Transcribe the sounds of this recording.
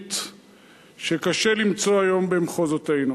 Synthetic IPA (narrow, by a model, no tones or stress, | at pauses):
t̪ | ʃe̞kaʃelimt͡so̞ajo̞mbemχo̞zotejnu